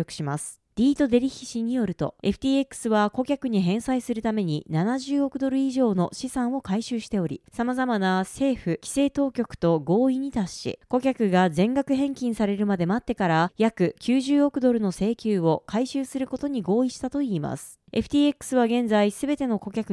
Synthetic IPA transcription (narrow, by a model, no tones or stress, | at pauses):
okɯ̟̥ɕimasɨ̥ | d̥̪ʲiːt̪o̞d̪e̞ɾʲiçʲi̥ɕiɲ̟ijo̞ɾɯ̟t̪o̞̰e̞ɸɯ̟t̪ʲiːe̞kːɯ̥sɨβako̞kʲakɯ̟ɲ̟iɦẽ̞ɰ̃saisɨɾɯ̟t̪ame̞ɲ̟ḭnanaʑɨːo̞kɯ̟d̪o̞ɾɯ̟iʑo̞ːno̞ɕisãɰ̃o̞kaiɕɨːɕi̥t̪e̞o̞ɾʲḭsamazamanase̞ːɸɯ̟kʲi̥se̞ːt̪o̞ːkʲo̞kɯ̟̥t̪o̞ɡo̞ːiɲ̟it̪aɕḭko̞kʲakɯ̟ɡazẽ̞ŋɡakɯ̟ɦẽ̞ŋkʲĩɰ̃saɾe̞ɾɯ̟mad̪e̞mat̪ːe̞kaɾajakɯ̟kʲʰɨːʑɨːo̞kɯ̟d̪o̞ɾɯ̟no̞se̞ːkʲɨːo̞kaiɕɨːsɨɾɯ̟ko̞t̪o̞ɲ̟iɡo̞ːiɕi̥t̪at̪o̞iːma̰sɨ̥ | e̞̰ɸɯ̟t̪ʲiːe̞kːɯ̥sɨβaɡẽ̞nd͡zaisɨbe̞t̪e̞no̞ko̞kʲakɯ